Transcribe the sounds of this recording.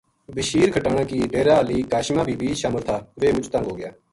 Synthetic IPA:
bɪʃiːɾkʰəʈaːɽãːkiːʈeːɾaːliːkaːʃmãːbʱiːbiːʃaːməlt̪ʰaːʋeːʊt͡ʃt̪ə̃ŋɡɦoːɡɪjaː

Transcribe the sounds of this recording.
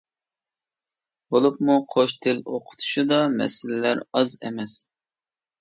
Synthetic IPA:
bolˠupmuqʰoʃt̪ʰɪloqʰʊ̥t̪ʰu̥ʃud̪ɑmɛ̰sɪlɪlæɾɑzḛmɛs

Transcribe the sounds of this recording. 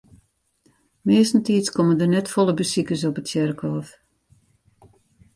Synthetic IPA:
mɪːstn̩tiːskɔməndərnɛtfɔlˠəbəsikəs̬ɔpətsɪrkʰɔːf

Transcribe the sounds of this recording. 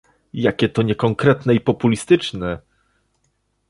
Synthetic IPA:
jakʲɛt̪ɔɲɛkɔŋkɾɛt̪nɛipɔpulʲist̪ɘt͡ʂnɛ

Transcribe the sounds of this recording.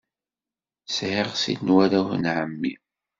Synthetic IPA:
sʕeʁsḭdnwaɾaθnʕəmːi

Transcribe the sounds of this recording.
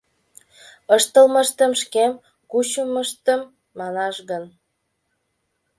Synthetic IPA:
əʃt̪əlməʃt̪ə̆mʃkem | kut͡ɕəməʃt̪əmː | ɑnɑʃɣən

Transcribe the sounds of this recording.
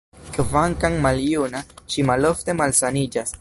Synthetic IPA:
kvaŋkaŋmaljunaʃimalo̞fte̞malsanid͡ʒas

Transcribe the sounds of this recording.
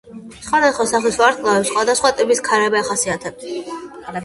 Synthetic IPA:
sχwad̪asχwasaχlisvaɾt̪ʰlˠavɛpsχwad̪asχwat̪ʼɛbiskʰaɾɛbɛaχasiat̪ʰɛb̚t̪ʰ

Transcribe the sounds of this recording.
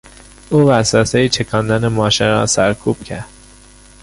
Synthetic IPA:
uːvæsɒːsejit͡ʃʰekʰɒːnd̪ænemɒːʃeɾɒːsæɾkʰuːb̥cʰæɾd̪̥

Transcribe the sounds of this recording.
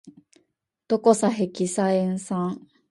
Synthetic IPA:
t̪okosaɦekisaeŋsãŋ

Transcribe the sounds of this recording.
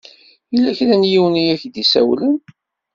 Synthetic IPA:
ilːæçɾænjiwənijæçd̪isæ̰wlən

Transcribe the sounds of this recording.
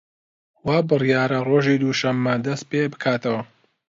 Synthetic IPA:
waːbɨrjaːɾɐroːʒid̪uʃɐmːɐd̪ɐst̪̚pebɨkʰaːt̪ɐwɐ

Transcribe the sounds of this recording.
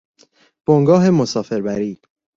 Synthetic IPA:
b̥oŋɡɒːɦe̞mosɒːfe̞ɾbæɾiː

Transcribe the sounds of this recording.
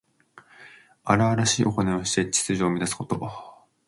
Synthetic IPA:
aɾaβaɾaɕiːʔo̞koneo̞ɕi̥t̪e̞t͡ɕi̥t͡sɨʑoːmʲid̪asɨ̥ko̞t̪o̞

